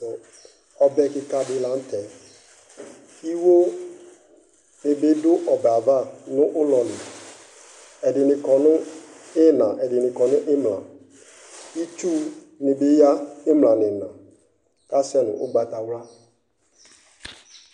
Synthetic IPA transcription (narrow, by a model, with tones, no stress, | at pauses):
ɔ˨bɛ˦kɪ˨ka˨dɪ˦la˨˦n̩˦tɛ˨ | i˦wo˦ | nɪ˨bɪ˦dʊ˦ʔɔ˨ba˨va˦˨nʊ̃˦ʔʊ˦lɔ˨nɪ˨ | ɛ˨dɪ˨nɪ̃˨kɔ˨nʊ̃˦ɪ˦nã˨ʔɛ˨dɪ˨nɪ̃˨kɔ˨nʊ̃˦ʔɪ˦mlã̰˨ | i˦t͡ʃu˦ | nɪ˨bɪ˦ja˦ɪ˦mlã˨nɪ̃˨nã˨ | ka˦sɛ˦nʊ̰̃˨ʔʊ̰˦ɡ͡ba˨ta˨wla˦